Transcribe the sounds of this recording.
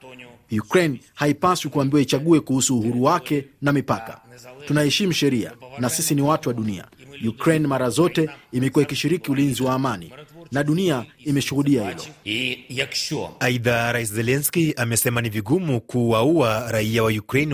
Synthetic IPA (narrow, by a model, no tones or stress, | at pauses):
jukɾɛjnhaipaswikuambiwait͡ʃaɠuɛkuhusuːhuɾuwakɛnamipaka̰tunahɛʃim̩ʃɛɾia̰nasisiniwatuwaɗunia̰jukɾɛjnmaɾazɔtɛimɛkuaikiʃiɾikiulinziwaːmanḭnaɗuniaimɛʃuhuɗiahilɔ̰jaki̥ʃua̰aiðaɾais̬zɛlɛnskiamɛsɛmaniviɡumukuwauaɾaiawajukɾɛn